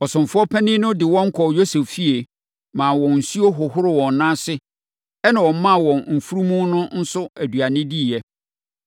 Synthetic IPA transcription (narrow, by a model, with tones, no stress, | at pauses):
ɔ˨sʊ̃˨m˨fʊ˦ɔ˦pʰɛ˦nɪ̃˦nʊ̃˦dɪ˨wɔ̃˦ŋ̩˦kʰɔ˨jo˦se˨ffi˦e˨ | mãː˨wɔ̃˨n̩˨su˦o˦ɦʊ˨ɦʊ˦ɾɪ˨wɔ̃˨n˨nã˦sɪ˦ | ɛ˦nã˨wɔ̃˨m̩˦mã˦˨wɔ̃˨nm̩˨fu˦ɾu˦mũ˦nʊ̃˦n̩˦sʊ˦æ˨dɥa˨nɪ̃˦di˦˨ɛ˦